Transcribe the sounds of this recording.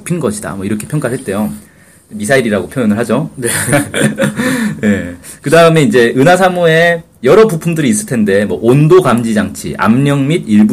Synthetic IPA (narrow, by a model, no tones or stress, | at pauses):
pʰinɡʌɕʰida̰mwʌiɾʌkʰe̞pʰjʌŋk͈aɭɦet̚t͈e̞jo | misʰaiɾiɾaɡopʰjojʌnɯɭɦad͡ʑone | ne̞kɯdaɯme̞ind͡ʑe̞ɯnasʰamue̞ | jʌɾʌpupʰundɯɾiːs̬͈ɯɭtʰe̞nde̞mwʌʔondoɡamd͡ʑid͡ʑaŋt͡ɕʰḭʔa̰mɲʌŋmidiɭbu